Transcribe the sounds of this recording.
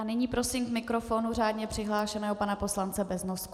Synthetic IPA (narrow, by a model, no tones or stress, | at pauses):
anɪɲiːpɾo̞siːmkmɪkɾo̞fo̞nur̝aːdɲɛpr̥ɪɦlaːʃɛnɛːɦopanapo̞slant͡sɛbɛznosku